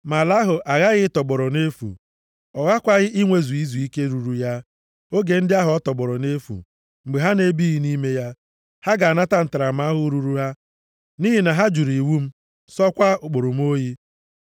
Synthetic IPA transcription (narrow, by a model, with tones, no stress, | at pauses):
ma˨la˦ɦʊ˨ʔa˨ɣa˦ɣɪ˦tɔ˨ɡ͡bɔ˨ɾɔ˨ne˦fṵ˨ | ɔ˨ɣa˦kʷa˦ɣɪ˦ʔi˦ŋʷe˦zu˨i˦zu˨i˦ke˦ɾu˨ɾu˨ja˦ | o˦ɡe˨n̩˦dɪ˦a˦ɦʊ˨ɔ˦tɔ˨ɡ͡bɔ˨ɾɔ˨ne˦fṵ˨ | ŋ͡m̩˨ɡ͡be˨ɦa˦ne˨bi˦ɣi˦ni˦me˦ja˦ | ha˦ɡa˨na˦ta˦n̩˨ta˨ɾa˨m̩˦a˦ɦʊ˦ɾu˦ɾu˦ɦa˦ | niː˦ɦi˨na˨ɦa˦d͡ʒu˨ɾi˨wu˦m̩˦ | sɔ˦kʷa˦ʊ˨k͡po˨ɾʊ˨m̩˦o˦ji˦